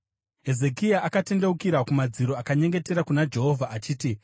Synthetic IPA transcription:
e̞ze̞kijaʔakate̞nde̞ukiɾakumad͡ziɾo̞akaɲe̞ŋɡe̞te̞ɾakunad͡ʒe̞ɦo̞vʱaʔat͡ʃiːti

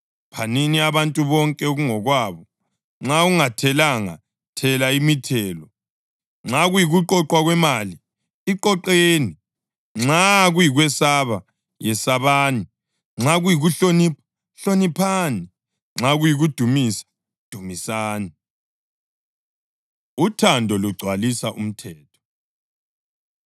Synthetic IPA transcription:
pʰaniniaβantʼuβɔŋkʼɛoɣuŋɔɣwaβɔ | ŋ͡ǁauŋatʰɛlaŋa̰ | tʰɛlaimitʰɛːlɔ | ŋ͡ǁaɣujiɣuǃɔǃwaɣwɛmali | iǃɔǃeːni | ŋ͡ǁaɣujiɣwɛsaβa | jɛsaβaːni | ŋ͡ǁaɣujiɣuɬonip | ɬonipʰani | ŋ͡ǁaɣujiɣud̥ʱumisḁ | d̥ʱumisaːni | utʰandʱɔluɡ͡ǀʱwalisaʔum̩tʰɛːtʰɔ̥

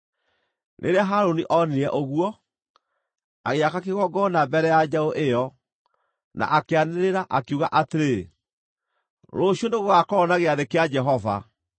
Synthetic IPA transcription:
nʔḛɾeaɦaɾoniʔɔniɾɛʔoɣuɔ | aɣeakakeɣɔɡɔnabɛɾɛjad͡ʒaoʔejɔ | na̰ʔakeaneɾeɾaʔakuɣaʔateɾe | ɾoɕioneɣoɣakɔːnaɣeaðekead͡ʒɛɦɔva̰

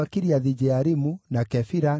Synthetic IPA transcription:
akeɾiaðid͡ʒɛaɾimunakɛfiɾa

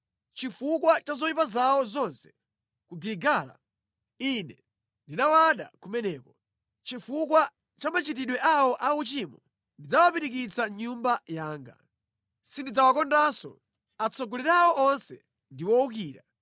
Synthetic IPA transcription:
t͡ʃifukwat͡ʃazɔjipazawɔzɔnsɛ̥ | kuɡiɾiɡaːla̰ | inɛ | ndinawaɗa̰kumɛnɛːkɔ | t͡ʃifukwa | t͡ʃamat͡ʃit̬iɗwɛʔawɔʔaut͡ʃimɔ | ndid͡zawapiɾik̬it͡saɲumbajaːŋɡa̰ | sindid͡zawakɔndasɔ̰ | at͡sʰɔɡɔliɾawɔʔɔnsɛ̰ | ndiwɔuk̬iːɾa

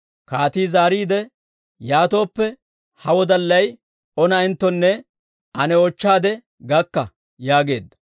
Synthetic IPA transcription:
kaːt̪iːzaːɾiːd̪ɛ | jaːt̪o̞ːpːɛ | hɐwɔd̪ɐlːɐj | ɔnɐɪnt̪ːɔnːɛ | ʔɐnɛɔt͡ʃːaːd̪ɛ | ɡɐkːɐ | jaːɡe̞ːd̪ːɐ̥

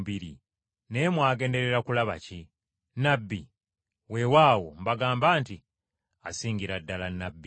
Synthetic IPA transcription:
biɾi | ne̞mwaːɡe̞ːnde̞ɾe̞ɾakulaβa̰ci | nabːi | we̞waːwo̞̰mbaɡaːmbaːnti | asiːŋɡiɾadːalanabːi

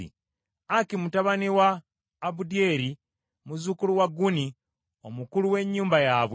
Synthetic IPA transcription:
ḭ | akimutaβaniwaː | budje̞ɾi | muzukuluwaɡuni | omukuluwe̞ɲːuːmbajaːβw

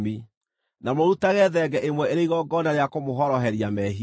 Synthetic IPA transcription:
mi | namoɾutaɣɛðɛɡɛʔemwɛeɾeiɣɔɡɔnaɾeakomoɦɔɾɔɦɛɾiamɛɦi

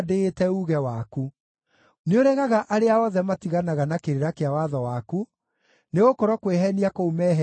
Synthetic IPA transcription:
deːtɛuɣɛwaku | neoɾɛɣaɣaʔaɾeaɔðɛmatiɣanaɣanakeɾeɾakeawaðɔwaku | neɣokɔɾɔkweɦɛniakoumɛɦɛ

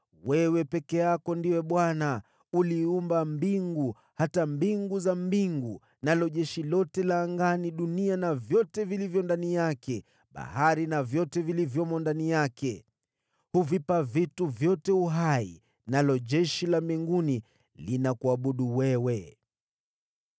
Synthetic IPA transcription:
wɛwɛpɛkɛakɔndiwɛɓwana | uliumbambiŋɡu | hatambiŋɡuzambiŋɡu | nalɔʄɛʃilɔtɛlaːŋɡaniɗunianavjɔtɛvilivjɔndanijakɛ | ɓa̰haɾinavjɔtɛvilivjɔmɔndanijakɛ | huvipavituvjɔtɛuɦaḭ | nalɔʄɛʃilambiŋɡuni | linakuaɓuɗuwɛwɛ

